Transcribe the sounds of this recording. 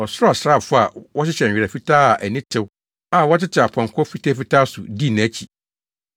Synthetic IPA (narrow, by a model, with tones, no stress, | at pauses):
ɔ˨sɾa˨sɾa˦˨fʊ˦a˨wɔ˦ɕɪ˦ɕɛ˨ɲᶣ˨ɪ˨a˨fi˦tʰaː˦a˨ʔæ˨nɪ̃˦tʰɪ˦w | a˨wɔ˦tɪ˦tʰɪ˨a˨pʰɔ̃˨ŋ˨kʰɔ˦fi˦tʰa˦fi˦tʰaː˦sʊ˨di˦˨nã˨˦t͡ɕʰi˨